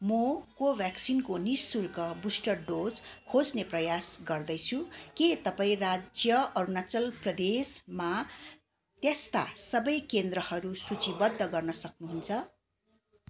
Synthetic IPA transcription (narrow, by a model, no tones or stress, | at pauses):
mokobjaksinkonisːulkʌbusʈʌrɖod͡zkʰod͡zneprʌjasɡʌrd̪ʌjt͡sʰuket̪ʌpaĩrad͡zjʌʔʌɾunat͡sʌlprʌd̪esma | t̪jʌst̪a̰sʌbʌjkend̪rʌhʌɾusut͡sibʌd̪ʱːʌɡʌrnʌsʌknuɦunt͡sʰʌ